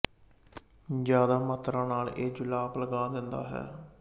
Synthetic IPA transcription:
d͡ʒjaːd̪aːmat̪ɾãːnaːleːd͡ʒʊlaːpləɡaːd̪ɪnd̪a̰ːɦɛ̰ː

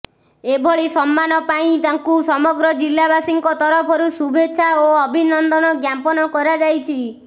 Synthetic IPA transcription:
ebʱɔɭisɔmːanɔpaĩt̪aŋkusɔmɔɡɾɔd͡ʒilːabasiŋkɔt̪ɔɾɔpʰɔɾusubeːʃʰaoɔbʱinɔnd̪ɔnɔɡjampɔnɔkɔɾad͡ʒajt͡ʃʰi

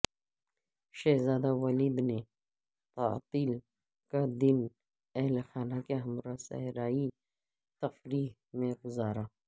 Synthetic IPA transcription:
ʃɛːɦzaːd̪awɐliːd̪ne | t̪a̰ːt̪iːl | kad̪ɪn | ɛɦlxaːnakeɦɐmɾasɐ̰ɦɾaːi | t̪ɐfɾiːɦ | mẽɡʊzaːɾaː

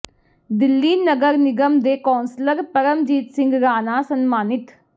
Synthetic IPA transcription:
d̪ɪlːiːnəɡəɾnɪɡəmd̪eːkɔːnsləɾpəɾəmd͡ʒiːt̪sɪ̃ŋɡɾaːnaːsənmaːnɪt̪

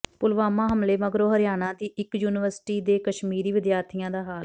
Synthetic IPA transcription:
pʊlʋaːmãːɦəmleːməɡɾoːɦəɾɪjaːnãːd̪iːʔɪkjuːnɪʋəɾsʈiːd̪eːkəʃmiːɾiːʋɪd̪jaːɾt̪ʰijãːd̪aːɦaːl

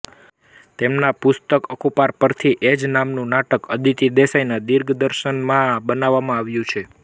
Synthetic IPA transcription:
t̪emnapʊst̪əkəkupaɾpəɾt̪ʰiʔed͡ʒnamnũnaʈəkəd̪ʱit̪id̪esajnad̪iɾɡʱd̪əɾʃənmãbənaʋːamãaʋjũt͡ʃʰe

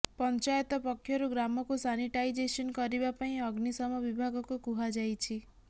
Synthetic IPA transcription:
pɔnt͡ʃajt̪ɔpɔkʰːjɔɾuɡɾamɔkusaniʈajd͡ʒesɔnkɔɾibapaĩɔɡnisɔmɔbibʱaɡɔkukuɦad͡ʒajt͡ʃʰi

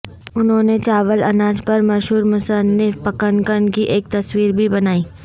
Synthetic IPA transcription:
ʊnɦõːnet͡ʃaːʋəlɐnãːd͡ʒpɐɾmɐʃɦuːɾmʊsənːɪfpɐkənkənkiʔeːk̚t̪ɐswiːɾbʱibɐnaːiː

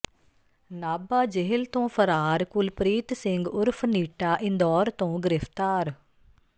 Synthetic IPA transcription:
naːbaːd͡ʒeɦəlt̪õːpʰəɾaːɾkʊlpɾiːt̪sɪŋɡʊɾpʰniːʈaːʔɪ̃nd̪ɔːɾt̪õːɡɪɾɪfʰt̪aːɾ

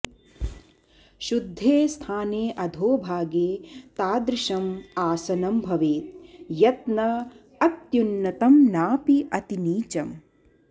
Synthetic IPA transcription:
ʃud̪ʱːeːst̪ʰaːneːʔɐd̪ʱoːbʱaːɡeːt̪aːd̪ɾɪʃɐmaːsɐnɐmbʱɐʋeːt̪̚jɐt̪nɐ | ɐt̪junːɐt̪ɐmnaːpiʔɐt̪iniːt͡ʃɐm

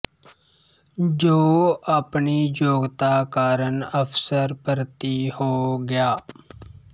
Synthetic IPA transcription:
d͡ʒoːəːpniːd͡ʒoːɡt̪aːkaːɾənəpʰsəɾpəɾt̪iːhoːɡɪjaː

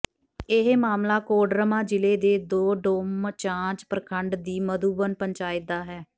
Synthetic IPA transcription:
ɪɦmaːmlaːkoːɖɾəmãːd͡ʒɪleːd̪eːd̪oːɖoːmt͡ʃãːt͡ʃpɾəkʰəɳɖd̪iːməd̪uːbənpəɲt͡ʃaːjɪt̪ːaːɦɛː

